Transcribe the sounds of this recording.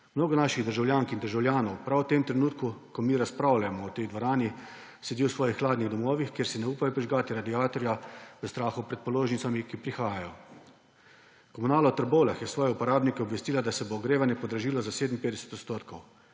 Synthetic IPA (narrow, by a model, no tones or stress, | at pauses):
mnoːɡɔnaʃiɣd̪əɾʒawljaːŋkind̪əɾʒawljaːnɔwpɾawt̪emt̪ɾɛnuːt̪kukɔmiːɾaspɾaːwlajmɔɔt̪ɛjd̪ʋɔɾaːni | sɛd̪iwsʋɔːjixːlaːd̪niɣd̪ɔmɔːʋixkjeːɾsinɛuːpajɔpɾiʒɡaːt̪iɾad̪iaːt̪ɔɾjaʋəst̪ɾaːxɔpɾɛt̪̚pɔloːʒnit̪samikipɾixaːjajɔ | kɔmunaːlɔt̪əɾbolaxjɛsʋɔːjɛupɔɾaːbnikɛɔbʋɛst̪iːlad̪asɛboːɡɾeːʋanjɛpɔd̪ɾaʒiːlɔzaseːd̪m̩peːd̪ɛsɛ̥t̪ɔt̪st̪oːt̪kʰɔw